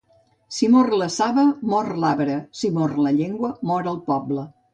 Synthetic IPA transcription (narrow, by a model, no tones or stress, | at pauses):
simorləsaβəmɔrlaβɾəsimorləʎeŋɡwəmɔɾəlˠpɔblə